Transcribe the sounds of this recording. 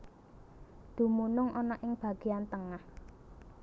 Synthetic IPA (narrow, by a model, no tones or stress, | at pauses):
d̪̥ṳmunʊŋʔɔnɔʔɪŋb̥ä̤ɡ̥e̤ant̪əŋah